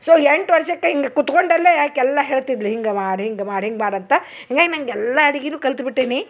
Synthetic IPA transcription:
soːeɳʈʋɐɾʃɐkːeɦiŋɡekut̪koɳɖɐlːeaːkːɛlːɐɦeːɭt̪id̪liɦiŋɡemaːɽɦiŋɡemaːɽɦiŋɡmaːɽɐnt̪ɐ | hiŋɡaːɡinɐŋɡɛlːɐɐɽiɡinuːkɐlt̪biʈːeːni

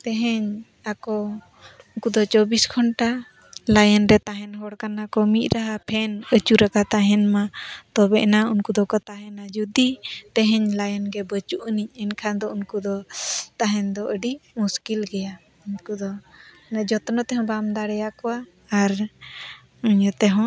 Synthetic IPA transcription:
t̪ɛɦɛɲ | akɔ | unkud̪ɔt͡ʃɔbiskʰɔnʈa | lajənɾɛt̪aɦɛnɦɔɽkanakɔmit̪̚ˀɾaɦapʰɛnət͡ʃuɾakat̪aɦɛnmat̪ɔbɛʔnaunkud̪ɔkɔt̪aɦɛnad͡ʒud̪it̪ɛɦɛɲlajənɡɛbət͡ʃuʔniɲ̚ɛnkʰad̪ɔunkud̪ɔt̪aɦɛnd̪ɔʔəɖimuskilɡɛja | unkud̪ɔ | nɛd͡ʒɔt̪ɔnɔt̪ɛɦɔ̃bamd̪aɽɛjaʔkɔwaː | ɾ | uɲɔt̪ɛɦɔ̃

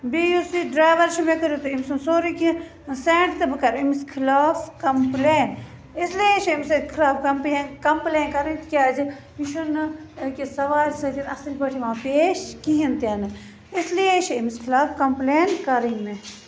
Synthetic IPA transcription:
bijusiɖɾaːʋɐɾʃimekɐɾut̪uimsunsoːɾiki | seːɳʈt̪ɨbɨkɐɾimiskʰilaːfkɐmpleːn | islieʃʰiimsikʰilaːfkɐmpleːnkɐmpleːnkɐɾĩnt̪ikʲaːd͡ʒi | iʃunkisɐʋaːlʲsɐt̪inɐsɨlʲbɐʈʰiʋãːpeːʃkiɦint̪iɐnɨ | islijeʃiimiskʰilaːfkɐmpleːnkɐɾinɨ

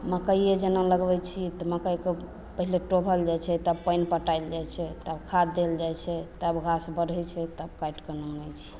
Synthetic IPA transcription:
məkəjed͡ʒenaləɡbɛt͡ʃʰit̪ɔməkəjke | pəɦileʈobʱəld͡ʒajt͡ʃʰɛt̪əb̚pəjnpəʈajld͡ʒajt͡ʃʰɛt̪əbkʰad̪ːeld͡ʒajt͡ʃʰɛt̪əbɡʱasbəɾɛt͡ʃʰɛt̪əbkajʈkənunɛt͡ʃʰi̥

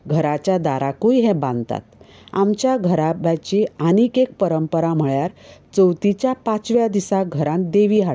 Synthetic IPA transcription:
ɡʱəɾat͡ɕjad̪aɾakujɦɛ̃bãnd̪t̪a̰t̪ | a̰mt͡ɕjaɡʱəɾabjat͡ɕianikek̚pəɾəmpəɾam̤əɭjaɾt͡səwt̪it͡ɕjapat͡sʋjad̪isaɡʱəɾãn̚d̪eʋiːɦaɽ

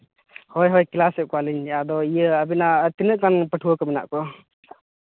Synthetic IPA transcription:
hɔjɦɔjkilasɛʔ̚kaliɲad̪ɔijəəbinat̪inəʔkanpəʈʰuəkəmina̰ʔkɔ

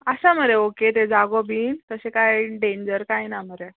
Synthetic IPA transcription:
əɕaməɾeoket̪ed͡zaɡobʱiːnt̪əsekajɖẽɲd͡ʑəɾkajnaməɾe

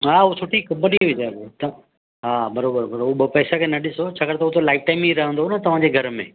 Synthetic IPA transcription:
ɦaːɦusʰʊʈikɐbəɗiɪd͡ʑabt̪ɐ | ɦaːbɐɾoːbəɾbɐɾoɦuɓɐpɛːsakʰeːnɐɗɪsot͡ɕʰaːkɐɾt̪ɐɦʊt̪olaːɪfʈaːɪmiɾɐɦə̃nd̪onɐt̪ɐʋ̤ãd͡ʑeːɡʱɐɾmḛ̃ː

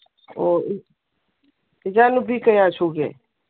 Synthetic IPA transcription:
oː | ɪd͡ʒaːnubʱikəjaːt͡ʃʰuːɡḛ

